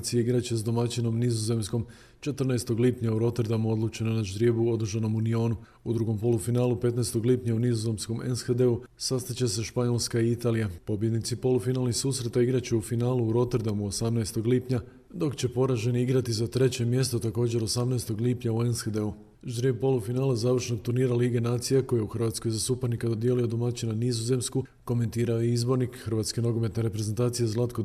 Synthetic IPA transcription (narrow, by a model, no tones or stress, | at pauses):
t̪sijeiɡɾat͡ɕe̞sd̪o̞mat͡ɕino̞mnizoze̞msko̞m | t͡ʃe̞t̪rɾnaest̪o̞ɡliːpɲauɾo̞t̪eɾd̪amuo̞d̪lˠut͡ɕe̞nonaʒd̪ɾje̞buo̞d̪̩ʒano̞munio̞ːnu | ud̪ɾuɡo̞mpo̞lˠufinaːlˠupe̞t̪naest̪o̞ɡlipɲaunizoze̞msko̞mensxed̪e̞u | sast̪at͡ɕe̞seʃpaɲo̞lˠskaiit̪aːlijapo̞bje̞d̪nit̪sipo̞lufinaːlniçsuːsɾe̞t̪aiɡɾat͡ɕeufinaːluuɾo̞t̪eɾd̪amuo̞samnaest̪o̞ɡliːpɲa | d̪o̞kt͡ɕe̞po̞ɾaʒeniiɡɾat̪izat̪ɾe̞t͡ɕe̞mje̞st̪o̞t̪ako̞ːd͡ʑe̞ɾo̞samnaest̪o̞ɡliːpɲaue̞nsxed̪e̞u | ʒd̪ɾipo̞lˠufinaːlazaːʋr̩ʃno̞ɡ̚t̪uɾniːɾaliːɡe̞naːt̪sijekojeuxr̩ʋaːt̪sko̞jzasupaɾnikad̪o̞d̪jeːlijo̞d̪omat͡ɕinanizoze̞msku | ko̞me̞nt̪iːɾaoizbo̞ɾnikxərʋaːt̪skeno̞ɡo̞me̞t̪neɾe̞pɾeze̞nt̪aːt̪sijezlˠat̪ko̞